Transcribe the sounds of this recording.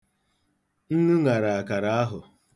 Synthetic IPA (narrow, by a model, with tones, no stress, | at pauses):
n̩˦nu˦ŋa˨ɾa˨a˨ka˨ɾa˨˦a˦ɦʊ˨